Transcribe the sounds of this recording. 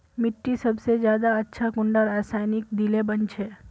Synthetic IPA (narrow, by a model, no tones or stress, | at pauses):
mɪʈːisɐbsed͡ʒjaːd̪aɐtːʃʰakʊ̃ɳɖaɾaːsaːjnɪk̚d̪ilebɐnt͡ʃʰeː